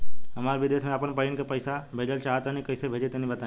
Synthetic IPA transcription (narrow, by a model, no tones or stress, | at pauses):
ɦəmaɾʋid̪esmẽaːpəɳpəɾiɳkepəjsabʱed͡ʒəlt͡ʃaɦət̪anĩkəjsebʱed͡ʒet̪enĩbət̪ã